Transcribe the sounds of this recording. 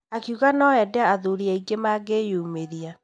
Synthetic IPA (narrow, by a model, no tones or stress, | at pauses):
akiuɣanɔɛdɛaaðuɾiaiɡemaːɡejoumeɾia